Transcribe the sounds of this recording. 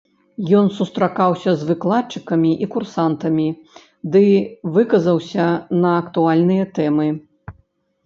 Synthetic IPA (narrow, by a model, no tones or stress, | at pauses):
jɔnsust̪ɾakawsʲɐzvɨklˠat̚t͡ʂɨkɐmʲiʔikursant̪ɐmʲi | d̪ɨvɨkɐzɐwsʲɐnɐːkt̪ualʲnɨjɐt̪ɛmɨ